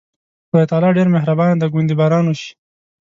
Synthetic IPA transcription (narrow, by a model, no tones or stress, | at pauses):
xojet̪ɑlɑɖeɾmeɦɾabɑnd̪əɡund̪ibɑɾɑnoʃi̥